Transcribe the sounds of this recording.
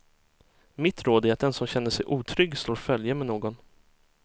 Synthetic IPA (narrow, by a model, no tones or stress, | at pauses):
mɪt̪ɾoːd̪æɾat̪̚d̪ɛnsɔmɕɛnːəʂɛjʔuːt̪ʰɾʏɡːsloːɾfœljamɛnoːɡɔn